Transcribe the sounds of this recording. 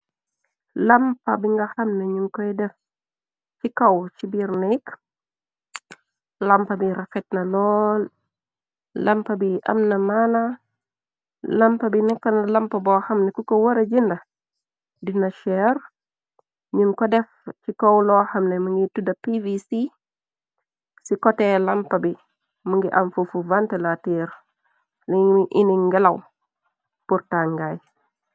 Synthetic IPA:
lɐmpɐbiŋɡaxɐmneɲuŋkɔjdɛf | t͡ʃikɐwt͡ʃibiɾnik | lɐmpɐbiɾɐfɛt̚nɐlɔl | lɐmpɐbiʔɐ̰mnɐmana | lɐmpɐbinɛkːɐnɐlɐmpɐbɔxɐmnekukowoɾɐd͡ʒindɐ | dinɐʃɛɾ | ɲiŋkɔdɛft͡ʃikowlɔhɐmnemuŋɡitudɐpivisi | sikɔtɛlɐmpɐbi | muŋɡiʔɐmfufuvantelatiɾ | niʔiniŋɡɐlɐ̰w | puɾtaŋɡaj

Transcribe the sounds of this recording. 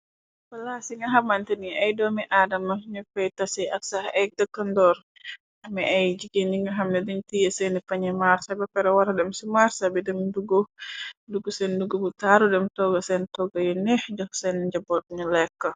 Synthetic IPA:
pəlasiŋaɦamant̪əniajdɔmɛʔadamaɲukɛjt̪asɛaksahɛk̚dəkəndɔr | amɛajd͡ʒiɡiniŋɡaɦamnɛdiɲt̪ijəsɛnipaɲɛmarsabakaɾawaɾadɛmsimarsabɛdɛmduɡɔduɡusɛnduɡubutaɾudɛmt̪ɔɡasɛnt̪ɔɡajunɛhd͡ʒɔk̚sɛnd͡ʒabɔt̪̚ɲɔlɛkːa

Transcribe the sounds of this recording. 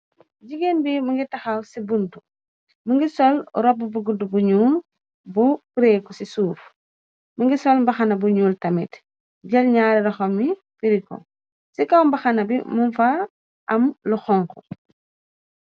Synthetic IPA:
ɟiɡenbimuŋɡitɐxawsibuntu | muŋɡisɔlɾɔb̚ːubuɡudubuɲuːl | bupuɾekɔsisuːf | muŋɡisɔlmbɐxanɐbuɲuːltɐmḭt | ɟɐlɲaːɾiɾɐxɔmːi | fiɾikɔ̰ | sikɐwmbɐxanɐbimunfa | ʔɐmluxɔŋkɔ

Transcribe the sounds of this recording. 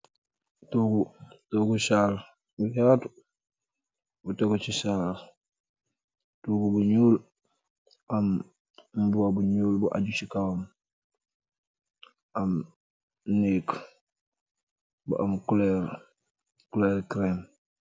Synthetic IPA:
tuɡutoɡusaːl | bujatu | butoɡut͡ʃisal | tuːɡubuɲuːl | am | mbuwabuɲuːlbuʔa̰ɟut͡ʃikawm | ʔam | niːk | bṵʔamkuleɾ | kuleɾkɾem

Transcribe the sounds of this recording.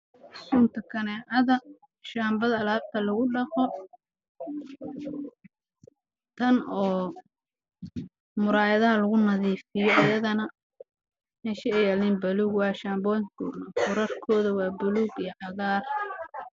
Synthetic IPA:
suːnt̪ʰɐkʰɐnɛʔɐðɐ | ʃaːmbɐðɐːlaːb̚t̪ʰɐlɐɣʊɖɐqɔ | t̪ʰɐnɔː | mʊɾaːjɐðɐɦɐlɐɣʊnɐðiːfɪjɔʔɐjɐðɐnɐ | mɛːʃɪɛjalniːnbɐluːɡwɑːʃaːmbɔːjkʰɔ̰ːnɐkʊɾɐrkʰɔːðɐwɑːbʊluːɡijɔʕɑɣaːr

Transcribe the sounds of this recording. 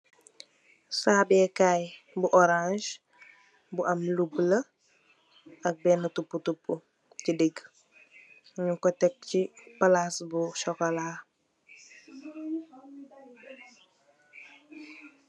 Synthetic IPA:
saːbɛːkaj | buʔɔɾãnʒ | buʔɐmlublə | ɐk̚bɛnətupːutupːu | cideɡ | ɲukɔtɛk̚cipalasbuʃɔkɔlaː

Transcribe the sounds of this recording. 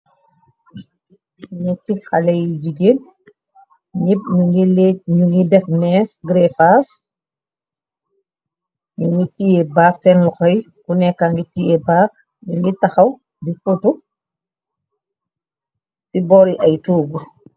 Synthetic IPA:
ɲɛtixalɛjid͡ʒiɡen | ɲip̚ɲuŋɡilɲuŋɡidɛfmɛːsɡɾɛfas | ɲuŋɡitijɛbaːk̚sɛnlɔxɔj | kunɛkːaŋɡitijɛbaːk̚ | ɲuŋɡitaxɐw | bifutu | sibɔɾiʔɐjtuːɡu

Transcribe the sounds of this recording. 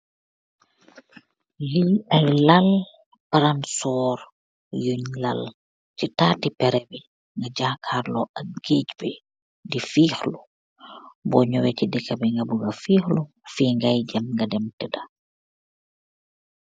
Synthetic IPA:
liɐjlal | paɾansɔːɾ | juɲla̰l | citaːtipɛɾɛbi | ŋɡaɟakʰarlɔʔɐk̚ɡ̥ecbɛ | difiːxlu | bɔɲɔwɛcidikːɐbɛŋɡɐbuɡɐfiːxlu | fiŋɡajɟɐmŋɡɐdɛmtɛdɐ

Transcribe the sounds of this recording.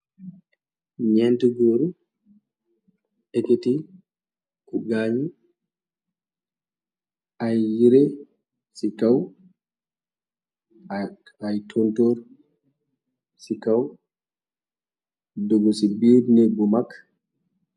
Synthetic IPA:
ɲɛntɛɡoɾu | ɛketi | kuɡaɲi | ʔajːiɾɛ | sikaw | ajtʰɔntɔɾ | sikaw | dɔɡɔsibiɾnɛɡɔmakː

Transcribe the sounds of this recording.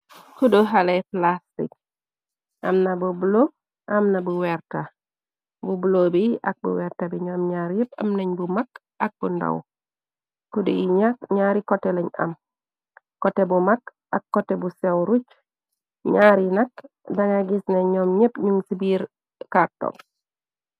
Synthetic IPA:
kudoɦaleplastḭk̚ | ʔɐ̰mnɐbubulo | ʔɐmnabuwɛɾta | bubulobiʔɐk̚bṵwɛɾtabiɲɔːmɲaɾjepa̰mnɐɲbumak | ɐk̚bunda̰w | kudiiɲakɲaːɾikoteleɲɐ̰m | kotebumak | akːotebusewɾut͡ʃ | ɲaːɾinak | daŋaɡisneɲoːmɲepɲuŋsibiɾ | kaɾto̰ŋ

